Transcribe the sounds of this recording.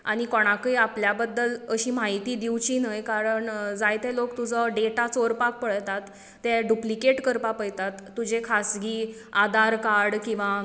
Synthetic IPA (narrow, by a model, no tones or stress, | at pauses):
aɽ̃ikɔɽ̃akiapljabəd̪ːələɕiːmaɦit̪iːd̪iwt͡ɕiːnəjkaɾəɳd͡zajt̪elokt̪ud͡zəɖeʈat͡soɾpak̚pəɭt̪at̪ː | eɖuplikeʈkəɾpapəjt̪at̪ːud͡ʑekʰasɡiː | ad̪aɾkaɾɽkĩw̃ʋa